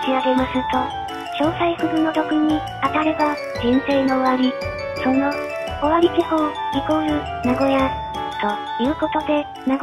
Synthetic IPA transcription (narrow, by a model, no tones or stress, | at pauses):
t͡ɕiβaɡe̞masɨt̪o̞ | ɕo̞ːsaiɸɯbɯ̟no̞t̪o̞kɯ̟ɲ̟i | at̪aɾe̞ba | d͡ʑĩñse̞ːno̞ːβaɾʲi | so̞no̞ː | βaɾʲikʲihõikoɾɯ | naɡo̞ja | t̪o̞ | jɯ̟ːko̞t̪o̞d̪e̞ | naɡ